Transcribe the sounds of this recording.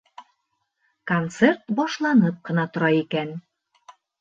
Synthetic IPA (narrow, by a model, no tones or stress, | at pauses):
kont̪sert̪bɒʃlˠɑnɤp̚qɤ̆nɑt̪ŏɾɑikæn